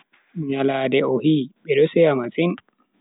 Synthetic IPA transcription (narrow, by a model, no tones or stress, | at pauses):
ɲalaːdɛɔhiːɓɛdɔsɛamasin